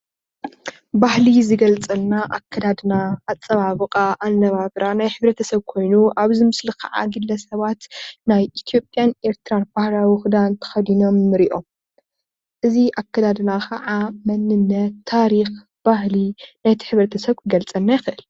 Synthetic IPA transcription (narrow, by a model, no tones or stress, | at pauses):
bahlizɨɡɐlt͡sʼɐlnaʔakʰːɐd̪ad̪ɨnaːt͡sʼːɐβaβɨkʼaʔanːɐβaβɾanajħɨβɾɐt̪ʰɐsɐβkʰo̞jnuʔaβzɨmɨslikʰɐ̰ʕa̰ɡɨlːɐsɐβat̪najʔit̪ʰijo̞pʼjanʔe̞ɾt̪ɨɾanb̥ahɾawixɨd̪ant̪ʰɐ̥xɐd̪ino̞mːɨɾiʔo̞m | ʔɨziʔakːɐd̪ad̪ɨnakʰɐʕamɐnːɨnːɐt̪ʰːaɾix | b̥ahlinajt̪ʰi̥ħɨβɾɐt̪ʰɐsɐβkʰɨɡɐlt͡sʼɐlnːajɪxɨʔɨl